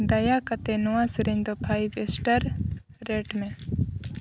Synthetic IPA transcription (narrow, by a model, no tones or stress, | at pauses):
d̪ɐjakɐt̪enuwaːsɾɪɲd̪opʰaːjbesʈəɾ | ɾeːʈmẽ